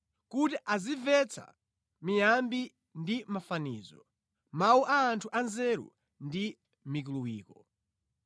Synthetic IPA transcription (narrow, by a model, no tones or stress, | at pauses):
kutiʔazivɛt͡sʰa̰ | mijambi | ndimafanḭːzɔ̰ | mauʔaːntʰuʔanzɛɾṵ | ndi | mikuluwiːkɔ